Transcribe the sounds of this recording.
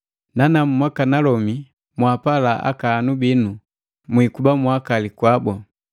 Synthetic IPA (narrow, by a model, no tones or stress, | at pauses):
nanam̩mwakanalɔmi | mwapalaʔa̰kaːnubinu | mwikubamwakalikwabɔ